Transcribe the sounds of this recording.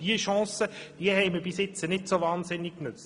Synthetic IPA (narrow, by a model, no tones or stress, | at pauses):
d̥iəʃɑ̃ːsəd̥iəhɛɪməbɪsjɪt͡sənɪtsovaːnzɪnːikknʏt͡st